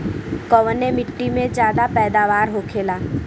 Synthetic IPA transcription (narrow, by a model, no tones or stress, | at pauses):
kɔʋənemɪʈːimẽd͡ʒjaːd̪apɛːd̪aːʋaːɾɦoːkʰeːlaː